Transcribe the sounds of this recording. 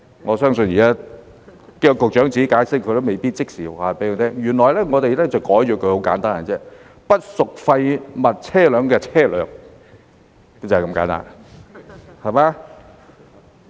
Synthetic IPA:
ŋɔː˨˧sœː˥ŋsɵ˧njiː˨˩kaː˥ | ke˥jɔ˧kʊ˨k̚t͡ʃœː˨˥ŋt͡si˨˥kaː˨˧˥jsɪ˥kʰːɵ˨˧t̪o˥wme˨˩jpiː˥t̚t͡sɪ˥k̚siː˨˩˨aː˨˧pe˨˥joː˧t̪ʰɛː˥ŋjyː˨˩nlɔː˨˩jlɛ˥ŋɔː˨˧t̪e˨jlɛː˥t͡sɐ˨wkɔː˨˥jt͡ʃyː˨˧kʰɵ˧ho˨˥wka̰ː˨˥nt̪aː˥nɐ˨˧t͡sɛː˥ | pɐ˥t̚sʊ˨k̚fɐ˧jmɐ˨t̚t͡sʰɛː˥˩lœː˨˧ŋkɛː˧t͡sʰɛː˥˩lœ̰ː˨˥ŋ˥ | t͡sɐ˨kɐ˧˥mka̰ː˨˥nt̪a̰ː˥˩n | hɐ˨˩maː˨˧

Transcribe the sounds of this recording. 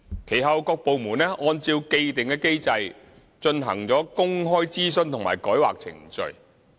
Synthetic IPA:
kʰe˨˩jɦɐ˨˧wkɔː˧k̚po˨˧wmuː˨˩nɛː˥ʔɔː˧nt͡siː˧wke˧jt̪ɪ˨ŋkɛː˧ke˥jt͡sɐ˧j | t͡ʃɵ˧nɦɐ̰˨˩ŋt͡sɔː˨˥kʊ˥ŋɦɔː˥jt͡siː˥sɵ˧nt̪ʰŋma̰ː˨˩jkɔː˨˥jwa̰ː˨k̚t͡sʰɪ̰˨˩ŋt͡ʃɵ̰˨˧ɥ

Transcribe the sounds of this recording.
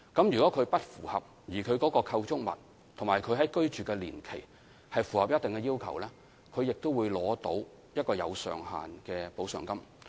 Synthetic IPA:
kɐ˨˥mjyː˨kɔː˨˥kʰɵ˨˧ɥpɐ˥t̚fṵː˨˩hɐ̰˨p̚ | jiː˨˩kʰɵ˨˧ɥkɔː˨˥kɔː˧kʰɐ˧wt͡sʊ˥k̚mɐ̰˨˩t̚ | t̪ʰŋmaː˨˩jkʰɵ˨˧ɥɦɐ˨˥jkɵ˥ɥt͡ʃyː˨kɛː˧liː˨˩nkʰe˨˩j | hɐ˨jfuː˨˩hɐ˨p̚jɐ˥t̚t̪ɪ˨ŋkɛ˧jiː˥wkʰɐ̰˨˩wlɛː˥ | kʰɵ˨˧ɥjɪ˨k̚t̪o˥wuː˨˧jlɔː˨˥t̪o˨˥w | jɐ˥t̚kɔː˧jɐ̰˨˧wsœ̰ː˨ŋha̰ː˨nkɛː˧po˨˥wsœ̰ː˨ŋkɐ˥m

